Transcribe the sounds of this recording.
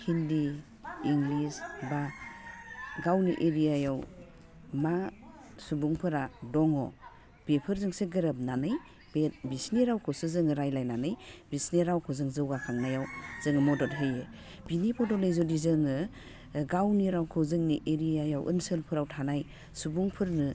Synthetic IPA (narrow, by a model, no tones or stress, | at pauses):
hʰindi | iŋɡlisba | ɡawniʔeɾijajaw | ma | subuŋpʰɯɾadɔŋɔ̰ | b̥epʰɯɾzɯŋseɡɯɾap̚nanɯj | bebisniɾawkʰɔsɯzɯŋɯɾajlajnanɯjbisniɾawkʰozɯŋzɯwakʰaŋnajawz̥ɯŋɯmɔdɔtɦɯje | binipʰɔdɔt̚ɯjzodizɯŋɯ | ɡawniɾawkʰɯzɯŋniʔeɾijajawʔə̰nsɯlpʰɯɾawtʰanaj | subuŋpʰɯɾnɯ